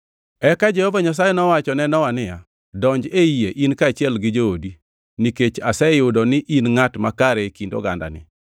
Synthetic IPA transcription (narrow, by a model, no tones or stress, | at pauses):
ɛkad͡ʒɛhɔvaɲas̬ajɛnɔwat͡ʃɔnɛnɔwanɪja | dɔɲd͡ʒeijeʔinkat͡ʃɪɛlɡɪd͡ʒoodi | niket͡ʃasɛjʊdɔnɪʔinŋatmakaɾɛkindo̰ɡa̰nda̰nɪ̰